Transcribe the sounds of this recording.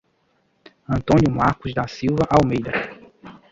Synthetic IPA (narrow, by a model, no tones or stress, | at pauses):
ɐ̃nt̪õnjumaɾkʊzd̪asiwvɐʔawmejd̪ɐ